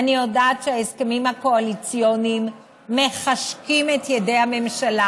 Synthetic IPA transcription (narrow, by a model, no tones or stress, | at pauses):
anijodaːtʃeaezkemimhako̞alit͡sjonimː | e̞χaʃkimetjede̞jhame̞mʃala